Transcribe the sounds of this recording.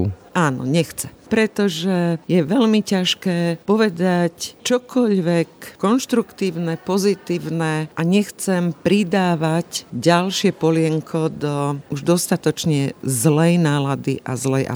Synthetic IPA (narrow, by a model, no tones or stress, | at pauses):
aːnɔ̰ɲɛxt͡sɛmpɾɛt̪ɔʒɛjɛʋɛʎmicaʃkɛːpɔʋɛd̪act͡ʃɔkʰɔʎʋɛkːɔnʃt̪ɾukt̪iːʊnɛpɔzit̪iːʊnɛʔaɲɛxt͡sɛmpɾid̪aːʋacɟalʃɪɛpɔlɪɛŋkʰɔd̪ɔuʒd̪ɔst̪at̪ɔt͡ʃɲɛzlɛjnaːlad̪ḭʔa̰zlɛjʔa̰